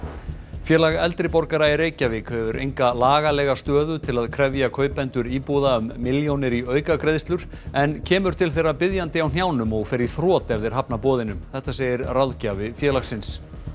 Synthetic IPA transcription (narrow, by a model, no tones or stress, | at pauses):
fjɛːlaɣɛlt̪ɾɪpɔɾkaɾaɛreːjcavɪkʰœːvʏɾʔḛjŋkalaːɣalɛːɣast̪œːðʏt̪ʰɪlaðkʰɾɛvjakʰœːɥpɛnt̪ʏɾiːpowðaʏmːɪljownɪɾiœːɥkakɾeðst̪lʏɾ̥ | ɛncʰɛːmʏɾ̥t̪ʰɪlθejrːapɪðjant̪ɪawn̥jawnʏmɔɣfɪɾɪ̥θɾɔːt̪ɛɾðɪɾ̥ɦapnapɔːðɪnʏmθɛht̪aseːjɪɾrawðcavɪfjɛːlaxsɪns